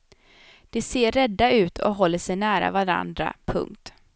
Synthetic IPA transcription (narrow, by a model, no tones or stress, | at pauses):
d̪̥ɛseːɾːɛd̪ːaʉ̟ːt̪ʰɔ̰ɦɔlːəʂɛjnæːɾa̰vaɾa̰nd̪ɾa̰pʰɵ̰ŋk̚t̪